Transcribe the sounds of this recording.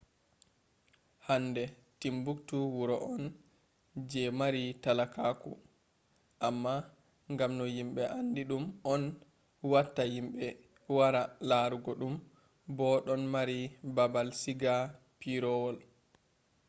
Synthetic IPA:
hanːdɛ | timbuktuwuɾɔʔɔn | d͡ʒɛmaɾitalakakṵ | ʔamːa | ŋɡamnɔjimɓɛʔandiɗumɔn | watːajimɓɛ | waɾalaɾuɡɔɗum | bɔɗɔnmaɾibabalsiɡa | piɾɔwɔl

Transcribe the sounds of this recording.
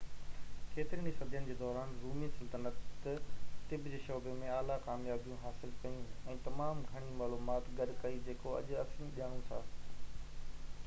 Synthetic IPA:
kʰeːt̪ɪɾinisɐd̪ʱijənɪ̆d͡ʑeːd̪ɔːɾaːnɾuːmisɪlt̪ənətt̪ɐt̪ɪbd͡ʑeːʃɔːbemẽaːlakaːmjaːbijũɦaːsɪlkɐjũɛ̃ːt̪ɐmaːmɡʱɐɽ̃imaːluːmaːt̪ɡɐɗkɐid͡ʑeːkoɐ̰ʄɐsĩːɗijaːɽ̃ũsaː

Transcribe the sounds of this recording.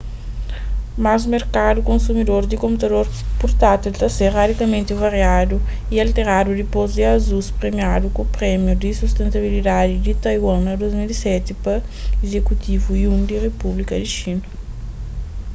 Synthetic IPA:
mazmeɾkad̪ukõnsumid̪oɾd̪ikõmput̪ɐd̪oɾpuɾt̪at̪ilt̪ɐseɾrad̪ikɐmẽnt̪ivaɾjad̪u | ialt̪eɾad̪ud̪ipozd̪iazuspɾemiad̪ukopɾɛmjud̪isust̪ẽnt̪ɐβilid̪ad̪id̪it̪ajwãŋɐd̪ojzmilisɛt̪ipɐezekut̪ʰivujũnd̪irepublikɐd̪iʃinɐ

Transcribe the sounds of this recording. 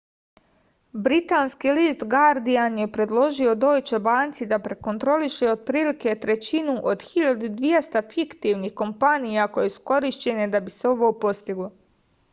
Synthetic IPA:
bɾit̪aːnskiliːst̪ɡaɾd̪ianje̞pɾe̞d̪lˠo̞ʒio̞d̪o̞ːjt͡ʃe̞baːnt̪sid̪apɾe̞kont̪ɾo̞liʃeod̪̚pɾiːlike̞t̪ɾe̞t͡ɕinuʔo̞d̪xiʎad̪ud̪ʋije̞st̪afikt̪iʋnixko̞mpanijako̞jesu̥ko̞ɾiʃt͡ɕe̞ned̪abiseo̞ʋopo̞st̪iɡlo̞

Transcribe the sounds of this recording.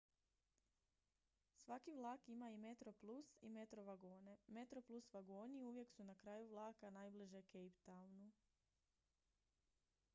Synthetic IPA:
sʋakiʋlˠaːkimaime̞t̪ɾo̞plˠusḭmet̪ɾoʋaɡoːne̞met̪ɾoplˠusʋaɡoːniuʋje̞ksunakɾaːjuʋlˠaːkanaːjbliʒekejpt̪awnu

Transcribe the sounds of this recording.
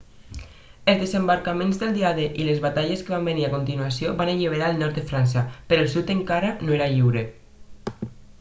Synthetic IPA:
elzðezembaɾkamẽnzðelˠd̪iaðeʔilezβat̪aʎeskeβambeniɾakont̪inuasjoβaneʎiβ̞eɾaːlˠnɔɾt̪d̪efɾans̬apeɾolˠsut̪eŋkaɾanoeɾaʎiwɾe

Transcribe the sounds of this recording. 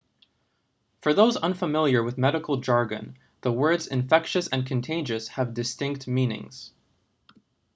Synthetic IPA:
fə˞ðoʊzʌ̃nfəmɪlˠjə˞wɨðmɛɾəkʰl̩ˠd͡ʒɑɹɡɨ̰̃n | ðəwɜ˞dzɨ̰̃ɱfɛkʃɨsɨ̃nkʰɨ̃n̩tʰẽɪ̃nd͡ʒɨshəvdɨstɪ̃ŋk̚tmĩnɪ̰̃ŋz̥

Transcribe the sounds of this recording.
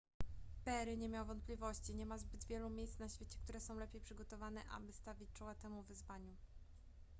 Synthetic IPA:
pɛɾɘɲɛmʲjawvɔnt̪̚pʲlʲivɔɕt͡ɕiɲɛmazbɘd̪vʲjɛlumʲjejsnaɕfʲet͡ɕɛ̥k̚t̪uɾɛsɔ̃w̃lɛpʲjejpʂɘɡɔt̪ɔvanɛʔa̰bɘst̪avʲit͡ɕt͡ʂɔwat̪ɛmuvɘzvaɲu

